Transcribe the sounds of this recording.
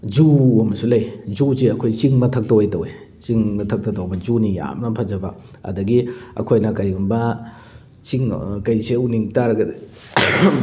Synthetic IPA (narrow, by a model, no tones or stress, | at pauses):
d͡ʒuɐmɐsulɐjd͡ʒuseɐkʰojt͡ʃiŋmɐtʰɐk̚tɐwejtɐwe | t͡ʃiŋmɐtʰɐk̚tɐtɐwbɐzunija̰mnɐpʰɐzɐbɐ | ɐ̰dɐɡiɐ̰kʰojnɐkɐjɡumbɐ | t͡ʃiŋkɐjseuniŋtaɾɐɡɐdi